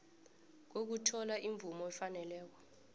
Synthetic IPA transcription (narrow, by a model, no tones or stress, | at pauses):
k̬ok̬utʰɔlaʔiɱvumɔɛfanɛlɛːk̬ɔ̥